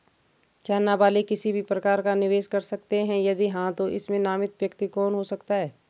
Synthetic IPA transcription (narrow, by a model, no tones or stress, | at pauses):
kjaːnabaːlikɪsibʱipɾɐkaːɾkanɪʋeːʃkɐɾsɐkt̪eɦɛ̃jɐd̪iɦãt̪oʔɪsmẽnaːmɪt̪ʋjɐkt̪ikɔːnɦosɐkt̪aɦɛː